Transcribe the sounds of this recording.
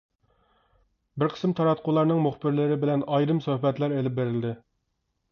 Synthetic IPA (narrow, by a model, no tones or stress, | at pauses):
bɪɾqʰə̥sɨmt̪ʰɑɾɑt̪̚qʰʊlˠɑɾnɨŋmuχbɪɾlɪɾɪbɪlɛnɑjɾɨmsohbɛt̪læɾelɪp̚beɾɪld̪ɪ